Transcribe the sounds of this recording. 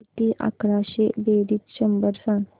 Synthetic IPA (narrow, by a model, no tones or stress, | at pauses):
t̪iːʔa̰kɾaɕebeɾiːt̪ɕəmbəɾsãn